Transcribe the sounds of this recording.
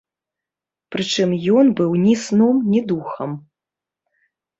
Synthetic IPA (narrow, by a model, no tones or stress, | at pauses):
pɾɨt͡ʂɨmjɔnbɨwnʲisnɔmnʲid̪uxɐm